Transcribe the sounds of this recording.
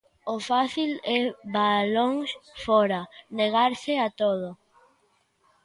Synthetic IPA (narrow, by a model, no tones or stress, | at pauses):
ʊfaθilɛβaloŋsfɔɾaneɣ̞aɾsɪat̪oð̞o